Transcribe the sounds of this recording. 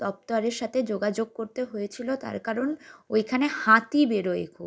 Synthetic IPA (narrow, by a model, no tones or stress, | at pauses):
ɔp̚t̪aɾeɾʃat̪ʰed͡ʑoɡad͡ʑoɡ̚koɾt̪eɦojet͡ɕʰilot̪a̰ɾkaɾonojkʰanehat̪ibeɾoḛkʰu